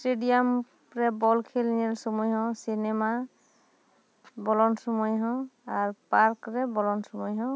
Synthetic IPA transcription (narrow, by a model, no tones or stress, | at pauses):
stedijam | ɹɛbɔlkʰelnɛlsomujɦɔ̃sinema | bɔlɔnsɔmɔjɦɔ̃aɹpaɹkɹɛbɔlɔnsɔmɔjɦɔ̃w